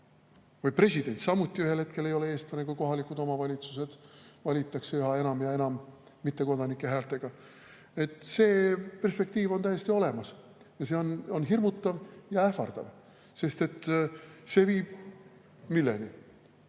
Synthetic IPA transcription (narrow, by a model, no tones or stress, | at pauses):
vɯjpre̞sʲid̪̥e̞nʲt̪sɑmːut̪ʲːˑiyɦe̞lhe̞t̪ke̞le̞jo̞le̞eːst̪ɑnekujko̞ɦɑlikːˑud̪o̞mɑvɑlʲit̪suse̞d̪̥vɑlʲit̪ːˑɑkseyɦɑe̞nɑmjɑe̞nɑmː | it̪ːe̞ko̞d̪ɑnikˑːe̞ɦæːlt̪e̞ɡ̥ɑ | e̞t̪ːˑse̞ːpe̞rspe̞k̚t̪iːvont̪æje̞st̪io̞le̞mɑs | jɑse̞o̞no̞nɦirmut̪ːˑɑvjɑæfɑrd̪̥ɑ̰v | se̞st̪e̞t̪ːse̞ːviːb̥ | milːḛni